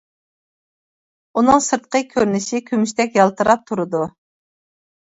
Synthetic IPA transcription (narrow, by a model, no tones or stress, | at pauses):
unɨŋsɨɾt̪̚qəkʲʰøɾnɪʃikʲʰymyʃt̪ɛkʲjɑlˠt̪ʰɨɾɑp̚t̪ʰuɾɨd̪u